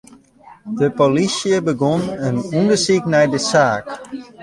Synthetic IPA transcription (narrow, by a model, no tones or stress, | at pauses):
dəpolisjəbəɡɔnənundəsiknɛjdəsaːk